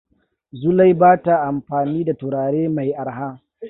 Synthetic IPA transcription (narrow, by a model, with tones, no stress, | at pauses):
zʊ˦la˦jbaː˦ta˨ʔa˨mɸaː˨niː˦da˨tʊ˨ɾaː˨ɽeː˦ma˨jʔa˨ɾɦaː˦